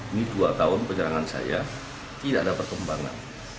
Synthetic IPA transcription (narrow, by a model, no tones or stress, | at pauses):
iniduat̪aʊnpəɲəɾaŋansa̰ja̰ | t̪idadapərkəmbaŋa̰n